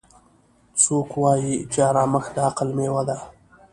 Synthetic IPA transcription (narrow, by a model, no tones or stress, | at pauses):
t͡sokwɑːjit͡ʃaɾɑməxd̪əaqəlmewad̪a